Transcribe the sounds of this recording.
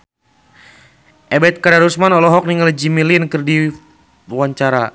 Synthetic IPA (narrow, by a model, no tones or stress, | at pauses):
ʔɛbɛt̪̚kadaɾusmanɔlɔɦɔk̚niŋald͡ʒimilinkərdi | waɲt͡ʃaɾa